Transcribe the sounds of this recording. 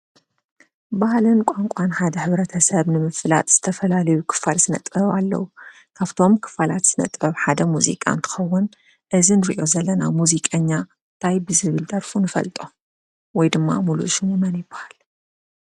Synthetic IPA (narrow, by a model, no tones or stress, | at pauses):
bahlɨnkʷʼaŋkʷʼanħad̪ɐħɨβɾɐt̪ʰɐsɐβnɨmɨfɨla̰t̪ʼz̥ɨ̥t̪ʰɐfɐlalɐjukʰɨ̥falzɨnɐ̰t̪ʼɐβalːɐ̰wu | kʰaβt̪ʰo̞mkʰɨ̥falat̪z̥ɨnɐ̰t̪ʼɐβħad̪ɐmuzḭkʼa̰nt̪ʰɨ̥xɐwːʊn | ʔɨzinɨɾiʔo̞zɐlːɐnamuzikʼɐɲːa | nt̪ʰajbɨzɨβɨld̪ʼɐɾfunɨfɐ̰lt̪ʼo̞ | wɔjd̪ɨmːa̰mulṵʃɨnjɛmɐnjɪbahal